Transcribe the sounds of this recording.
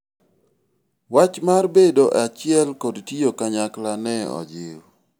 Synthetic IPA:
wat͡ʃmarbedoʔat͡ʃɪɛlkɔdtiokaɲaklanɛɔ̰d͡ʒɪw

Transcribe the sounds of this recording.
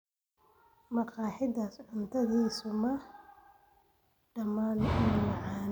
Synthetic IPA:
mɐqɑːħɪdasʕʊnt̪ʰɐðiːsʊmɐ | ɖɐmaːnɪnmɑʕɑːn

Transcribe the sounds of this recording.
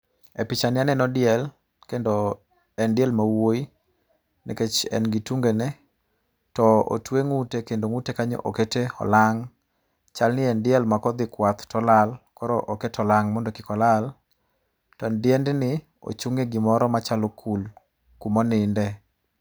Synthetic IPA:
epɪt͡ʃanɪanɛnɔdɪɛl | kendo | ɛndɪɛlmawoi | nɛ̰ket͡ʃɛ̰nɡituŋɡenɛ | tɔo̰tweŋutekendoŋutekaɲɔ̰ʔoketeɔ̰laŋ | t͡ʃalnɪɛndɪɛlmakɔd̪ɪkwat̪tɔlalkɔɾɔʔoketɔlaŋmɔndɔkɪkɔlal | tɔndɪɛndnɪ | o̰t͡ʃuŋeɡɪmɔɾɔmat͡ʃalokʰul | kumɔnɪndɛ

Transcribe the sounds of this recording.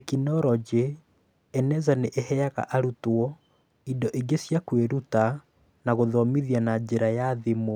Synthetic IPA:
ekinɔɾɔd͡ʑe | ɛnɛzaneʔeɦɛaɣa̰ʔaɾutoɔ | idɔʔeɡesjakweɾuta | naɣoðɔmiðjanad͡ʑeɾajaðemo

